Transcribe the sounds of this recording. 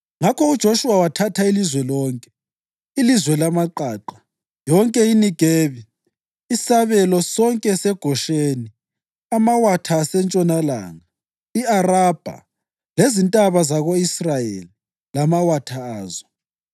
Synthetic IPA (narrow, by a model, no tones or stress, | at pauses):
ŋakʰɔud̥ʒ̥ʱoʃuwawatʰatʰailizwɛlɔːŋkʼɛ | ilizwɛlamaǃaːǃa | jɔŋkʼɛiniɡ̥ʱeːβi | isaβɛlɔsɔŋkʼɛsɛɡ̥ʱɔʃeːni | amawatʰaːsɛnt͡ʃʼɔnala̰ːŋa | iarab̥ʱa̰ | lezintʼaβazaɣoisrajḛli | lamawatʰaaːzɔ